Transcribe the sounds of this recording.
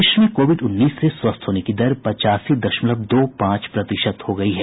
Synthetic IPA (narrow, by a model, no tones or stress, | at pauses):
ɪʃmẽkoːʋɪɖʊnːiːsːeswɐst̪ʰɦoːnekid̪ɐɾpɐt͡ʃaːsid̪ɐʃmləb̚d̪oːpãːt͡ʃpɾɐt̪ɪʃət̪hoɡɐiɦɛ